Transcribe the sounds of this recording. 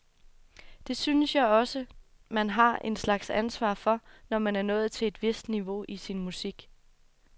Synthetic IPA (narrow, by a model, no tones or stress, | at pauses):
d̥e̝synəsjɑ̈ɪɒ̽sə | mænɦɑ̈ʔe̝nslɑ̈ɡ̥sænsʋɑ̰̈ːfɒ̽nɒmænæɐnɔ̽ːð̩ˠt͡sʰe̝le̝d̥ʋe̝sd̥niʋo̝ʔisinmusiɡ̥